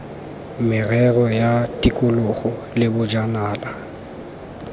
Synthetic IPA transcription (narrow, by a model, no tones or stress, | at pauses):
mɪrɛrɔjatʼikʼʊlʊχɔ | lɪbʊd͡ʒanaːla